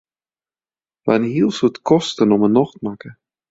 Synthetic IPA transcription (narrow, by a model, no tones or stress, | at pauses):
ʋa̰nhilˠsutkʰɔstənɔmənɔxtmakə